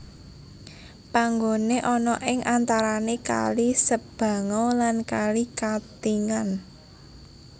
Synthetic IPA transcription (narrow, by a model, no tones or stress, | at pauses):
paŋɡoneʔɔnɔʔɪŋʔant̪aɾaneka̰lisəb̥ä̤ŋɔlankalikat̪iŋan